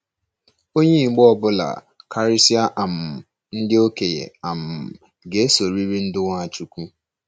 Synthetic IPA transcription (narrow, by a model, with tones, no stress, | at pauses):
o˦ɲe˦˨˦ɡ͡bɔ˦ɔ˨bʊ˦la̰˨ | kʰa˨ɾɪ˦si˦a˦ʔa˨m̩˨ | n̩˦dɪ˦o˦ke˨jḛ˨a˨m̩˨ | ɡe˨e˦so˨ɾi˦ɾi˦n̩˦dʊ˦ŋʷa˦a˨t͡ʃu˦kʷu˦